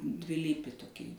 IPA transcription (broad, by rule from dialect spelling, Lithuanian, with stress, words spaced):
dʲʋʲɪˈlʲiːpʲɪ toːˈkʲiː